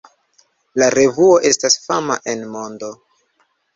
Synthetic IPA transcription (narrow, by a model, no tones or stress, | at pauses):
laɾe̞vuo̞ʔe̞stasfama̰ʔe̞nmo̞ndo̞